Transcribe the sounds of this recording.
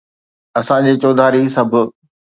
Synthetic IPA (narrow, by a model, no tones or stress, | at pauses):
ɐsãd͡ʑeːt͡ɕoːd̪ʱaːɾisɐbʱʊ̆